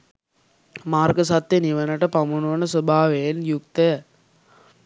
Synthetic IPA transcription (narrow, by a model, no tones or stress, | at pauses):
maːrɡəsat̪jeniʋənəʈəpamunuʋənəsəbʱaːʋejenjuk̚t̪əjə